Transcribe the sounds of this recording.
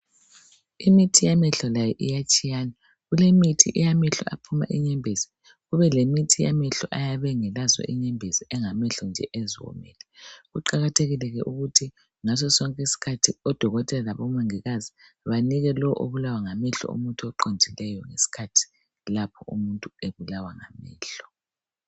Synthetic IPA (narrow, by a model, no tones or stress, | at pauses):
imitʰijamɛɬɔlajɛʔijat͡ʃʼijaːna | ɣulemitʰḭʔijamɛɬɔ̰apʰuma̰ʔiɲɛmbʱezi̥ | ɣuβɛlemitʰija̰mɛɬɔ̰ʔajaβɛŋɛlazɔ̰ʔiɲɛmbʱeziɛŋamɛɬɔnd͡ʒʱɛʔeziwɔ̰mɛ̰ːlɛɣuǃaɣatʰeɣilɛɣɛʔuɣutʰi | ŋas̬ɔsɔŋkʼɛisi̥kʰatʰiɔd̥ʱɔɣɔtʼɛlalaβɔmaŋiɣazi | βaniɣɛlɔwʔoβulawaŋamɛɬɔ̰ṵmuntʼuɔǃondʱilɛjɔŋesi̥kʰatʰi̥ | lapʰɔumuntʼueβulawaŋa̰mɛ̰ːɬɔ̥